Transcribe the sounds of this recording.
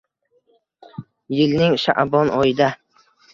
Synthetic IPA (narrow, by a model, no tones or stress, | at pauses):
jɪlnɪŋʃa̰ʔbɒnɒjɪd̪a